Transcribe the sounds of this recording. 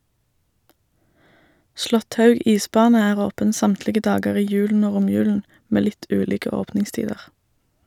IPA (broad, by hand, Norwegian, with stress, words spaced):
ˈslɔtˌhɑʉɡ ˈiːˌsbɑːnə ˈæːʁ ˈoːpən ˈsɑmtlɪɡə ˈdɑːɡəʁ ˈiː ˈjʉːln̩ ˈoː ˈʁʊmjʉːln̩ ˈmeː ˈlɪt ˈʉːliːkə ˈoːpnɪŋˌstiːdəʁ